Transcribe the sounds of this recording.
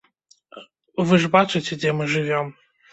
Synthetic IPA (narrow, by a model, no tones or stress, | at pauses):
vɨʐbat͡ʂɨt͡sʲɛd͡zʲɛmɨʐɨvʲɔm